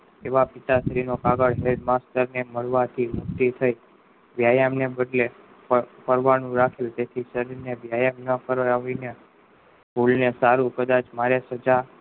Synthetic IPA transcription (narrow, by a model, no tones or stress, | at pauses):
eʋapɪt̪asɾinokaɡəɭɦeɖmast̪əɾneməɭʋat̪ʰimʊkt̪it̪ʰəi | ʋjajamnebəɖle | pəɾʋanũɾakʰelt̪et̪ʰisəɾiɾnebjajamnəpəɾaʋine | bolinesaɾũkəd̪at͡ʃmaɾesəd͡ʒa